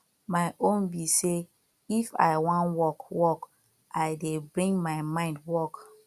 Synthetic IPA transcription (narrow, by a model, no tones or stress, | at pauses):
maɪʔõnbise | ifa̰ɪwãnwɔkwɔk | ʔaɪdebɹĩŋɡmaɪmãɪ̃ndwɔk